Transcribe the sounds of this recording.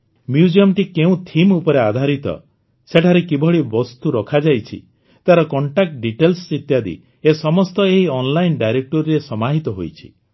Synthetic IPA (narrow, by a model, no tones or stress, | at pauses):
mjud͡ʒiɔmʈikeũt̪ʰimupɔɾead̪ʱaɾit̪ɔ̰ | seʈʰaɾekibʱɔɭibɔst̪uɾɔkʰad͡ʒajt͡ʃʰḭ | t̪aɾɔkɔɳʈak̚ʈɖiʈelssit̪jad̪ḭ | esɔmɔst̪ɔeɦiɔnlajnɖajɾek̚ʈɔɾiɾesɔmaɦit̪ɔɦo̰jt͡ʃʰi̥̰